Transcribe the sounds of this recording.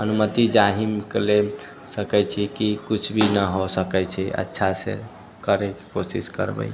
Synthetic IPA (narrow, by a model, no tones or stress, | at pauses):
ənumət̪id͡ʒaɦimkele | səkɛjt͡ʃʰikikut͡ʃʰbʱinəɦosəkɛt͡ʃʰɛʔə̰tːʃʰasḛ | kəɾeke̥kosiskə̰ɾbə̰j